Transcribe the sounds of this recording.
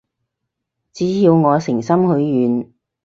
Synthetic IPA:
t͡siː˨˥jiː˧wŋɔː˨˧sɪ˨˩ŋsɐ˥mhɵ˨˧ɥjyː˨˧n

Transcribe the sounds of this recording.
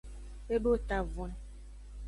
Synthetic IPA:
e˦bo˦˨ta˨vɔ˨n

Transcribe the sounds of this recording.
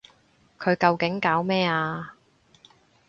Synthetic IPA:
kʰɵ˨˧ɥkɐ˧wkɪ˨˥ŋkaː˨˥wmɛː˥aː˧

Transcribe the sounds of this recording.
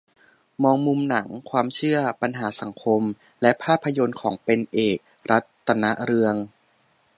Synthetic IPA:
mɔː˧ŋmu˧mna˩˦ŋkʰwaː˧mt͡ɕʰɯ˥˩ɐpa˧nɦaː˩˦sa˩˦ŋkʰo˧m | lɛ˦˥pʰaː˥˩pʰːa˧jo˧nkʰɔː˩˦ŋpe˧nʔeː˨˩k̚ | ɾa˦˥t̪ːa˧na˦˥ʔɾɯ˧əŋ

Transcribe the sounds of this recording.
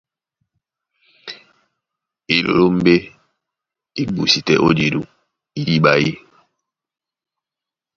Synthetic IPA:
i˨lo̰˨ɾo˦m̩˦be˦ | i˦bu˨si˨tɛ̰˦ʔo˦d͡ʒe˨ɾu˦ | i˦ji˦ɓa˦ji˦

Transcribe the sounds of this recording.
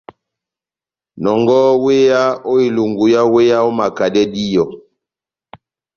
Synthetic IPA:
nɔ˨ŋɡɔ˦we˦ja˦o˦i˨lu˨ŋɡu˨ja˦we˦ja˦o˦ma˨ka˨dɛ˦di˦jɔ˨

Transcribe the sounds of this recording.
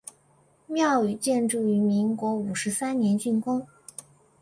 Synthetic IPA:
mjɑ˥˩ʊy˨˩t͡ɕjɛ˥˧nʈ͡ʂu˥˩y˧˥mi˧˥ŋkwɔ˧˥u˨˩ʂɻ̩˧˥sa˥nnjɛ˧˥nt͡ɕy˥˩nkʊ˥ŋ

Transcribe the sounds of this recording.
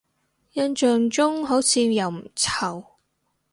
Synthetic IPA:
jɐ˧nt͡ʃœː˨ŋt͡sʊ˥ŋɦo˨˥wt͡sʰiː˧jɐ˨˩wm̩˨˩t͡sʰɐ˨˩w

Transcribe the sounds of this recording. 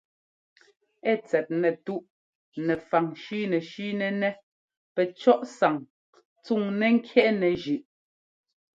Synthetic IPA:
ɛ˦˨t͡sɛ˨t̚nɛ˨tu˦ʔ | nɛ˨fa˨ŋʃi˦nɛ˨ʃiː˦nɛ˦nɛ˦ | pɛ˨t͡ʃɔ˦ʔsa˨ŋ | t͡su˦˨ŋnɛ˦ŋ̩˦kʰjɛ˦ʔnɛ˨ʒʉ˨ʔ

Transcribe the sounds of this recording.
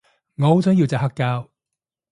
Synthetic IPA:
ŋɔ˨˧o˧˥sœː˨˥ŋji˧wt͡saː˨˩hɐ˥kːaː˧˥w

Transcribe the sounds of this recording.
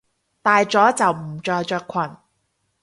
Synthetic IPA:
t̪aː˨jt͡sɔː˨˥t͡sɐ˨wm̩˨˩t͡ʃɔː˧jt͡ʃœː˧kʷʰɐ˨˩n

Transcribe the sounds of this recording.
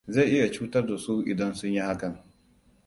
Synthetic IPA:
ze˦˨ʔɪ˦ja˨t͡ʃuː˦tɐ˦rda˨su˦ʔɪ̰˨dɐ˦nsʊ˦ɲji˦ha˦kɐ˨ŋ

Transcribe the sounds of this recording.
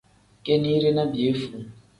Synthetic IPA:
ke˦ni˦ɾe˦na˦bi˨e˦fu˦˨

